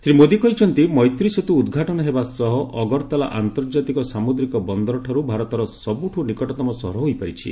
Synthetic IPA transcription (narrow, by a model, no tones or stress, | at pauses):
sɾimod̪ikɔɦit͡ʃʰɔnt̪imɔjt̪ɾisɔt̪uːd̪ɡʱaʈɔnɔɦebasɔɦɔʔɔɡɔɾt̪ala̰ʔant̪ɔɾd͡ʒat̪ikɔsamud̪ɾikɔbɔnd̪ɔɾɔʈʰaɾubʱaɾɔt̪ɔɾɔsɔbuʈʰunikɔʈɔt̪ɔmɔsɔ̰ɦɾɔɦojpaɾit͡ʃʰḭ